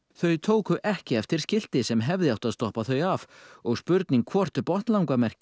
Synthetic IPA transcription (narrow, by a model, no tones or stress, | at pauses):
θœɥt̪ʰoːwkʏʔɛhcɪɛft̪ɪɾ̥scɪl̥t̪ɪsɛmɦɛvðɪawt̪aðst̪ɔhpaθœɥjavɔɣspʏɾt̪niŋkʰvɔr̥t̪ʏpɔht̪lawŋkamɛr̥cɪ̥